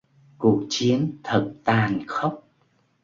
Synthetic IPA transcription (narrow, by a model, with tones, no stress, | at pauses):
ku˨˩ək̚t͡ɕi˨˦ənt̪ʰə˨˩t̚t̪aː˨˩nxə˦˥wk͡p̚